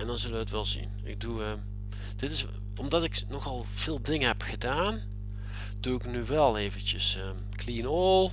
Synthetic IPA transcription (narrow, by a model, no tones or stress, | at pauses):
ɛndɑnzɵləʋəətʋɛlˠzḭn | ɪ̰k̚duə | d̥ɪtɪs | ɔmdɑtɪknɔxɑlˠ | v̥ɪːlˠdɪŋəɦɛpxədaːn | d̥uɪknyʋɛlˠeːvəntəsə | klinolˠ